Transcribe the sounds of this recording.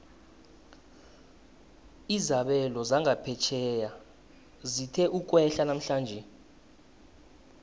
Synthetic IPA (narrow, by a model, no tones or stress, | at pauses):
izaɓɛlɔzaŋɡʱapʰɛt͡ʃʰɛːja | zitʰɛʔuk̬ʼwɛɬanam̩ɬaːnd͡ʒʱɛ